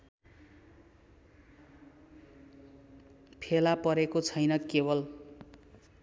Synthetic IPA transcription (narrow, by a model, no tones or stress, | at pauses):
pʰelapʌɾekot͡sʰʌjnʌkebʌl